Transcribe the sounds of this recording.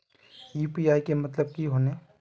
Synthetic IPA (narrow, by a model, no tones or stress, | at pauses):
iːpiaːikemɐt̪ləb̚kiɦoːne